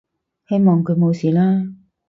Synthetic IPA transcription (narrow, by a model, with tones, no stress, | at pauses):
he˥jmɔː˨˩ŋkʰɵ˨˧ɥmo˨˧wsiː˨˩laː˥